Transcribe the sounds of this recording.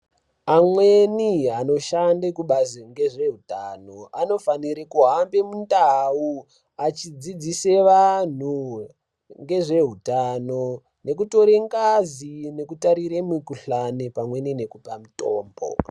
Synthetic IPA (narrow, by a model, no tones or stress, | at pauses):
amwe̞niano̞ʃandekuɓaziŋɡe̞ʐe̞ɦutano̞ano̞faniɾekuɦambe̞mundau | at͡ʃid͡zid͡zise̞ʋan̤u | ŋɡe̞ʐe̞ɦutano | ne̞k̬uto̞ɾeŋkazine̞kutaɾiɾemikuɬanepamwe̞nine̞kupamuto̰ːmbo̞̰